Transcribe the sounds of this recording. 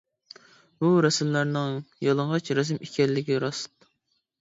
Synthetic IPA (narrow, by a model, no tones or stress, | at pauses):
buɾɛsɪmlæɾnɪŋjɑlˠəɴʁɑt͡ʃɾɛzɪmikʲʰɛlːɪɡʲiɾɑsɨ̥t̪̚